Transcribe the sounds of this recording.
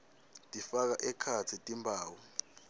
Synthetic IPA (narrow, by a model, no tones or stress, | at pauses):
tʼifak̬aʔɛkʰat͡sʰitʼimbʱaːwɔ